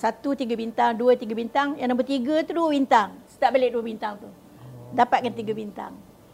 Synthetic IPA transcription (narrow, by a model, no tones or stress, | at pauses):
sat̪ut̪iɡabint̪aŋduət̪iɡabint̪aŋjaŋnamp̬ət̪iɡət̪uduəbint̪aŋsə̥t̪aʔ̚beleʔduəbint̪aŋt̪u | dapat̪̚kant̪iɡabint̪a̰ŋ